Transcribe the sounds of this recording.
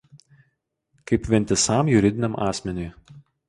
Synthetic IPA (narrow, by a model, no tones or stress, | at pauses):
kɐɪpʋʲɛnʲt̪ʲɪsɑˑmjʊɾʲɪd̪ʲɪnʲɛmʔɑːsʲmʲɛnʲʊj